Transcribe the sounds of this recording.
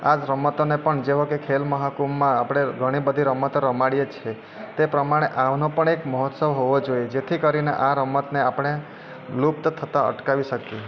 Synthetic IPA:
ad͡ʒɾəmət̪onepəɳd͡ʒeʋokekʰelməɦakumːãːpɽ̃eɡʱəɽ̃ibəd̪ʱiɾəmət̪ɾəmaɽijet͡ʃʰe | t̪epɾəmaɽ̃eʔaʋnopəɳekmɔɦɔt̪səʋɦoʋod͡ʒojed͡ʒet̪ʰikəɾinḛʔaɾəmət̪neapɽ̃e | lupt̪t̪ʰət̪aə̰ʈkaʋiʃəke

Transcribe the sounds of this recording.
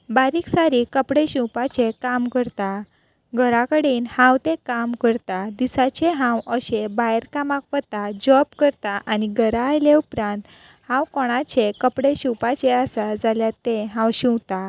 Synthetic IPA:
baɾiːksaɾikəpɽeɕĩwpat͡ɕekamkəɾt̪a | ɡʱəɾakəɽiːnhãwt̪ẽkamkəɾt̪ad̪isat͡ɕeɦãwəɕebajɾkamakʋət̪ad͡ʑɔbkəɾt̪aʔaniɡʱəɾaːjleupɾãnt̪ | hãwkɔɽ̃at͡ɕekəpɽeɕĩwpat͡ɕeasad͡zaljat̪ẽɦãwɕĩwt̪a

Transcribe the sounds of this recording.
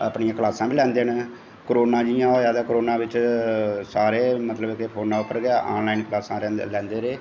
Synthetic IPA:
a̰ːpnijãːklaːsãːbiːlɛ̃ːnd̪eːn | kɾoːnãːd͡ʒɪjãːoaːd̪aːkɾoːnãːbɪt͡ʃ | saːɾeːmət̪ləbkepʰoːnaːʊpːəɾɡɪaːʔaːnlaːinklaːsãːɾɛ̃ːlɛ̃ːnd̪eːɾeː

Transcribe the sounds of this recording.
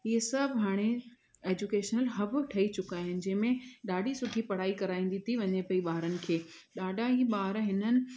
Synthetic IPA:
ɦiesɐbʱɦaːɽ̃e | eːd͡ʑukeːʃnəlɦɐb̆ʈʰɐit͡ɕʊkaːɦɪnɪ̆d͡ʑɐ̃ɦɪ̃mẽɗaːɖʱisʊʈʰipɐɽ̤aːikɐɾaːĩːnd̪it̪ʰiʋɐɲepɐiɓaːɾənɪ̆kʰeː | ɗaːɖʱaɦiːɓaːɾɦɪnənɪ̆

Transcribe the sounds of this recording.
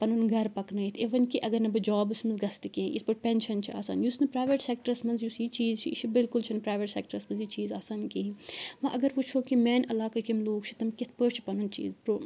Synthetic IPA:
pɐnunɡɐɾpɐknɐit̪ʰeʋɐnkiʔɐɡɐɾnɐbɨd͡ʒɔːbɨsmɐnzɡɐst̪ikẽʔḭsbɐʈ̚pʲɛnʃɐnt͡ʃʰiʔa̰ːsa̰ːnjusnɐpɾaːʋeʈsɛk̚ʈɐɾɐsmɐnzjusit͡ʃiːzt͡ʃʰiʃʰibɪlkʊlt͡ʃʰinɐpɾaːjʋeʈsɛːk̚ʈəɾɐsmɐnzjit͡ʃiːzaːsaːnkiɦĩʋɐ̃ʔɐɡɐɾʋot͡ʃʰoːkimɛːnɐlaːkɐkemloːkt͡ʃʰit̪ɐmkɪt̪ʰpəɾt͡ʃʰi̥pɐnunt͡ʃḭːzpɾo

